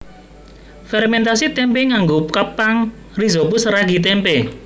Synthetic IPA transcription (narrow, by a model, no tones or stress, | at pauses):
fɛɾmɛnt̪asit̪ɛmpeŋaŋɡokəpaŋ | rizopusəɾaɡi̤t̪̬ɛmpe